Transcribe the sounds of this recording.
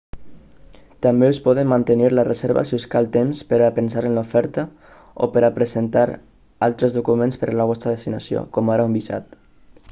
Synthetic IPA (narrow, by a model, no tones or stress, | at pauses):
t̪ambeuspɔð̞əmːant̪əniɾlərəzeɾβə̰siuskalˠt̪emspəɾapənsaɾənlufɛɾt̪ə | o̰pəɾapɾəzent̪aɾ | alˠt̪ɾəzðukumenspəɾalaβ̞ɔst̪ɾəðest̪inasio̰kɔmaɾaumbiza̰t̪